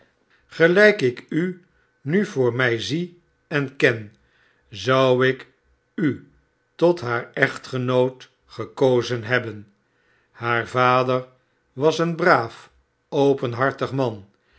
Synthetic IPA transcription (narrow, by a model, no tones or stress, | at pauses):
χəlɛjkɪky | nyvʊːɹmɛjzi | ɛnkɛn | zʌwɪk | y | tɔtɦaːɹɛχtχənowt | χəkowzənɦɛbən | haːɹvaːdəɹ | ʋɑsənbraːf | owpənɦɑɹtəχmɑn